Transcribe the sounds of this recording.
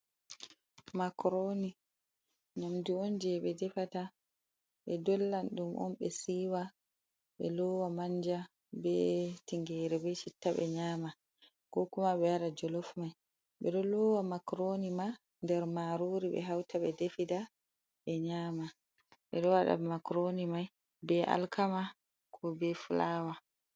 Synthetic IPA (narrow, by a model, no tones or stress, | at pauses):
makɾoni | namdiɔnd͡ʒɛɓɛdɛfata | ɓɛdɔlːanɗumʔɔ̰nɓɛsiːwa | ɓɛlɔwamaɲd͡ʒa | bɛtiŋɡɛɾɛbɛt͡ʃitːaɓɛ̰ɲaːma | kɔkumaɓɛaɗad͡ʒɔlɔfmaj | ɓɛɗɔlɔwamakɾonima | ndɛɾmaɾoɾiɓɛ̰ɦawtʰaɓɛdefida | ʔɛɲaːma | ɓɛ̰ɗɔwaɗa̰makɾonimaj | bɛʔa̰lkʰama | kʰɔbɛfulaːwa